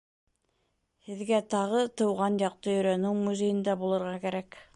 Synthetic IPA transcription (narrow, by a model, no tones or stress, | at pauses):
hɘ̆ðɡæt̪ɑʁɤt̪ɤ̆wʁɑnjɑq̚t̪ɤjɵ̆ɾænɘwmuzejɘ̆nd̪æbulˠɤ̆ɾʁɑkæɾæk